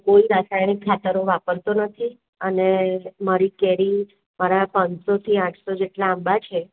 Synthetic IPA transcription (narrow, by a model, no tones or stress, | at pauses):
koiɾasajñikʰːat̪əɾoʋapəɾt̪onət̪ʰi | ənemaɾikɛɾi | maɾapãnsot̪ʰiãʈʰsod͡ʒeʈlaːmbat͡ʃʰe